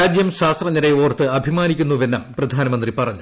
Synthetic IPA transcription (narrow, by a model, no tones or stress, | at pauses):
aːd͡ʑjɐmɕaːst̪rɐɲːiɾɐjoːrt̪ːɨɐbʱimaːnikʲːunːuʋe̞nːɐmmprɐd̪ʱaːnɐmɐnd̪ripɐrɐɲːu